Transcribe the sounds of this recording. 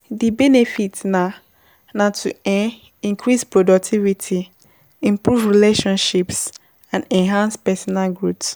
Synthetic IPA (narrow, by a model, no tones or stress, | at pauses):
dibɛnefitna | nãtʰuɛ | ĩŋkʰɾispɹodɔk̚tʰivitʰi | ĩmpɹuvɹileʃɔ̃nʃips | ãnɛ̃nɦãnspɛsɔnalɡɹuts